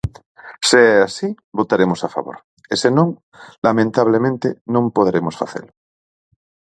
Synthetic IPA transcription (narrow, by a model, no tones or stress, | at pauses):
seɛasi | bot̪aɾemosafa̰βo̰ɾ | esenõŋ | lamẽnt̪aβ̞lemẽnt̪enõmpoð̞eɾemosfa̰θḛlo